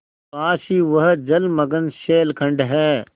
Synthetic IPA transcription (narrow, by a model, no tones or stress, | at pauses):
paːʃiːʋɐɦ̆d͡ʒɐlmɐɡənʃeːlkʰɐ̃ɳɖɦɛː